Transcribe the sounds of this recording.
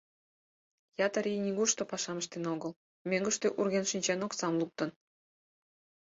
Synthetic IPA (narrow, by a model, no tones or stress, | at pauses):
jɑt̪əɾijnʲiɣuʃt̪opɑʃɑməʃt̪enoɣə̆l | mʲeŋɡə̆ʃt̪øʔurɣʲenʃinʲt͡ɕenoksɑmluk̚t̪ə̆n